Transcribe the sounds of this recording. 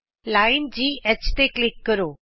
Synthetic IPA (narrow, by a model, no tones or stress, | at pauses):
laːɪnd͡ʑiːɛt͡ɕt̪eklɪkːəɾoː